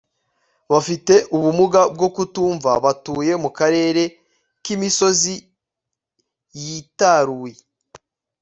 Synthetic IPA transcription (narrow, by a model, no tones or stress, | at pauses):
βafite̞ʔuβumuɡab̚ɡo̞kutuːɱvaβatuːje̞mukaɾe̞ːɾe̞ | kimiso̞zi | jitaɾuːje